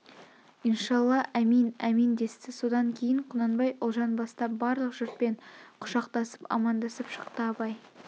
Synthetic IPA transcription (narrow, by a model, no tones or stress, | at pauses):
ənʃɑlˠːɑʔæminæmind̪e̞st̪ɪso̞d̪ɑŋkʲʰe̞jɪɴqʰʊnɑnbɑjʔʊlˠʒɑnbɑst̪ɑp̚bɑɾlˠəqʒʏɾt̪̚pe̞ɴqʰʊ̥ʃɑqt̪ɑsəpɑ̰mɑnd̪ɑsəpʃə̥qt̪əɑpɑj